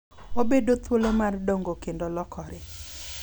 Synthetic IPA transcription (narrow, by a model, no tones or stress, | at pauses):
obedot̪wolomardoŋɡokendolɔkɔɾɪ